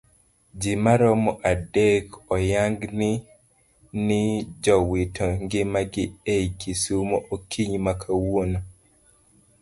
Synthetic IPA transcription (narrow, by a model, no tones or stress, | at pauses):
d͡ʒɪmaɾɔmɔʔadekɔjaŋɡnɪ | nɪd͡ʒɔwitʰɔŋɡɪmaɡɪejkisumɔʔokʰiɲmakʰawono